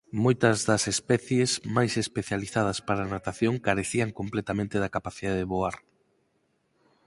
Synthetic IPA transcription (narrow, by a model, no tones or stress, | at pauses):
mojt̪ɐzðɐsespɛθjezmajsespeθjaliθað̞ɐspaɾanat̪aθjoŋkaɾeθiaŋkomplet̪amẽnt̪eðakapaθiðaðeðeβoaɾ